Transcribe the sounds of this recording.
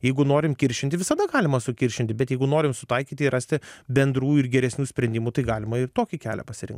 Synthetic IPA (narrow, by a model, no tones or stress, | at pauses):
jɛɪɡʊnoːɾʲɪmkʲɪɾʲʃʲɪnt̪ʲɪʋʲɪsɐd̪ɐɡɑːlʲɪmɐsʊkʲɪɾʲʃʲɪnʲt̪ʲɪbʲɛt̪jɛɪɡʊnoːɾʲɪmsʊt̪ɐɪkʲiːt̪ʲɪrʔɑsʲt̪ʲɪbʲɛnd̪ɾuːɪrɡʲɛɾʲɛsʲnʲuːsʲpʲɾʲɛnʲd̪ʲɪmut̪ɐɪɡɑːlʲɪmɐɪrt̪oːkʲɪkʲæ̰ːlʲɛ̰pɐsʲɪɾʲɪ̰ŋkt̪